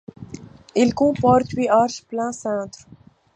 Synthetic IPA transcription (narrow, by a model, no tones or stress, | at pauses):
ɪlkũːpɔɾt̪wiːaːɾʃplãːsãːt̪ɾ